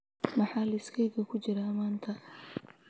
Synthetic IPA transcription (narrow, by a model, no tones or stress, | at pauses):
mɑħaːlɐɪskʰɛjɣɐkʰʊt͡ʃɪɾaːmaːnt̪ʰɐ